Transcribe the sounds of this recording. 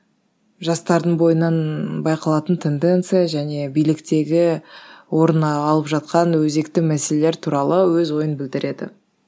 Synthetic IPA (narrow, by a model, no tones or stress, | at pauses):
ʒɑst̪ɑɾd̪əɴbo̞jənɑnbɑjqɑlˠɑt̪ənt̪ʰe̞nd̪e̞nt̪sɨjaʒæne̞bijlɪkt̪e̞ɡʲɪwo̞ɾənɑlˠəpʒɑt̪̚qɑnwɵze̞kt̪ɪmæse̞le̞le̞ɾt̪ʰuɾɑlˠəwɵzwo̞jənbɪld̪ɪɾe̞d̪ɪ̰